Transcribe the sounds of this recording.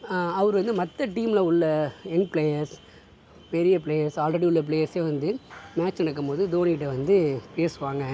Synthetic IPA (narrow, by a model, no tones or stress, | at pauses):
ɐʋɐɾɯʋɐnd̪ɯmɐt̪ːɐʈiːmlɐʊɭːɐɛnpɭeːjɐɾs | pɛɾɪjɐpɭeːjɐɾsaːlɾɐɽiʊɭːɐp̬leːjɐɾseːʋɐnd̪ɯmaːt͡ʃːnɐɽɐkːɯmpoːðɯd̪oːniɪʈːɯʋɐnd̪ɯpeːsɯʋaːŋɡɐ